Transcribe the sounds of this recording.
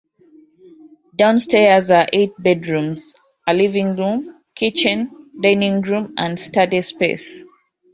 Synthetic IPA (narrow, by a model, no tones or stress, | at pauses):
dãʊ̃nstɛzaʔet̚bɛdɹũmz | alivĩŋɹũm | kʰit͡ʃə̃ndãɪnĩŋɡɹũmʔãndstadispḛs